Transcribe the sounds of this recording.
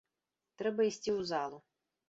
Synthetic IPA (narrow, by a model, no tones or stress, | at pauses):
t̪ɾɛbɐisʲt̪ʲɪwzɑlˠʊ